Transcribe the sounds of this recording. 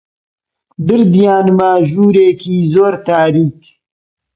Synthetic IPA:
d̪ɪɾd̪ijaːnmaːʒuːɾeːkʰiːzoːɾt̪aːɾiːk

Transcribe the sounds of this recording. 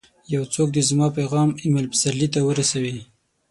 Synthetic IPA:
jawt͡sok̚d̪ezmɑpeɣɑmɪmalpɪ̥saɾlit̪awəɾasawi

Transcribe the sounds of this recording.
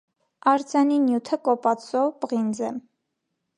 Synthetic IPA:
ɑɾd͡zjɑninjut̪ʰəkɔpɑt͡sʰɔvpəʁind͡zɛm

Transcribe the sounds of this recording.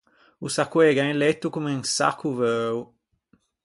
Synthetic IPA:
usakwɛɡãlɛt̪ːukumeŋsa̰kːuvøːw

